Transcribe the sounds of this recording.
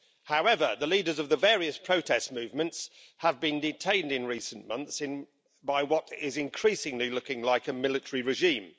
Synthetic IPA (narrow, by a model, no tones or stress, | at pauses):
haʊɛvəðəliːdəzəvðəvɛːɹiəspʰɹ̥əʊtʰɛstmʉːvmə̃nts | həvbĩndɪtʰẽɪ̃ndɪ̃nɹiˑsə̃nmʌ̃nθsɪ̃n | baɪwɒtɪzɪ̃nkʰɹ̥iˑsɪ̃ŋlilʊkɪ̃ŋlaɪkəmɪlɪtəɹiɹɪʒĩːm